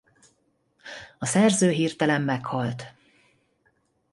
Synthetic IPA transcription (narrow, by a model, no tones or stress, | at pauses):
ɒsɛrzøːɦiːrt̪ɛlɛmːɛkhɒlt̪